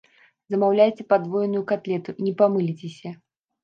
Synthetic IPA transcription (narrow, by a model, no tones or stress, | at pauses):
zɐmawlʲajt͡sʲɛpad̪vɔjnʊjukat̪lʲɛt̪uinʲɛpamɨlʲit͡sʲesʲɐ